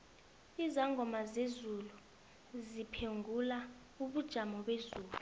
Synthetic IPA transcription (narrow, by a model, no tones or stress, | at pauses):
izaŋɡʱɔmazezulu | zipʰeŋʱula | uɓud̥ʒ̥ʱamɔɓezuːlu